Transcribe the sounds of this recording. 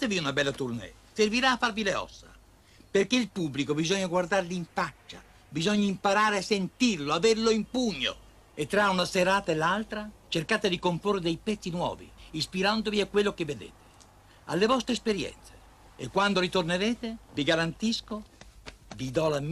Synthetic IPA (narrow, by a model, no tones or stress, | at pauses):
at̪eviunabɛlːat̪urnɛ̰ | serviɾaːfːaɾvileɔ̰sːa̰ | perkeilpubːlikobizɔɲːaɡward̪aɾliiɱfat͡ʃːa | bizɔɲːaimpaɾaːɾeasːent̪irloaveɾloimpuɲːo̰ | et̪ːɾaunaseɾaːt̪aelːalt̪ɾat͡ʃerkaːt̪ed̪ikomporːed̪ɛjpɛt̪sːinwɔ̰ːvḭːspiɾand̪oviakːwelːokɪvːed̪ḛːt̪e̥ | a̰lːevɔst̪ɾespeɾjɛ̰nt̪se̥ | ekːwand̪oɾit̪orneɾeːt̪eviɡaɾant̪isko | vid̪ɔla